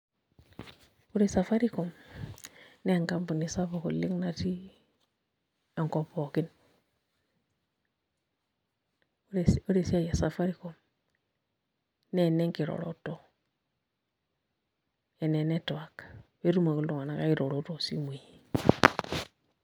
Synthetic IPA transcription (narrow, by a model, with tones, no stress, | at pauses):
u˦ɾe˦˨sa˨fa˦ɾi˦ko˨m | ne˦˨ŋka˦mbu˨ni˨sa˦fo˨kṵ˨li˦ŋna˦ti˦ | a˨ŋko˨po˨ki˦n˦ | ɾso˦ɾe˨si˦a˨ja˨sa˨fa˦ɾi˨ko˨m | ne˦˨ne˦ŋki˨ɾo̰˨ɾo̰˦to˦ | e˨ne˨ne˦to˨wa˨kwe˦ɾu˦ma˨ku˦ldu˨ŋa˨na˨ka˦i˦ɾo˨ɾo˦to˨sḭ˦mu˨ji˨